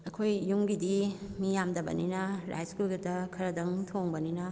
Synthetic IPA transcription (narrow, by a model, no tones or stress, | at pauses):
ɐkʰojːuŋɡidimijamdɐbɐ̰ninɐɾa̰jskulɡidɐkʰɐɾɐdɐŋtʰoŋbɐninɐ